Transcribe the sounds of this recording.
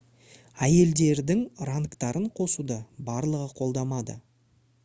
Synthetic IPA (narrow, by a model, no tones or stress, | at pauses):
æje̞ld̪e̞ɾd̪ɪŋraŋkt̪ɑɾʔəɴqʰo̞sud̪əbɑɾlˠəʁəqʰo̞lˠd̪ɑmɑd̪ə̰